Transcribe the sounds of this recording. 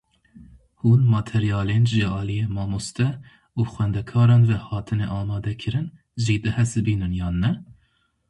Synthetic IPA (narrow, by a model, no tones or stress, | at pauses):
huːnmɑːt̪ʰɛɾijɑːleːnʒɨɑːlijeːmɑːmost̪ɛ | uːxʷwɛnd̪ɛkʰɑːɾɑːnvɛhɑːt̪ʰɨneʔɑːmɑːd̪ɛkʰɨɾɨn | zeːd̪ɛhɛsɨbiːnɨnjɑːnːɛ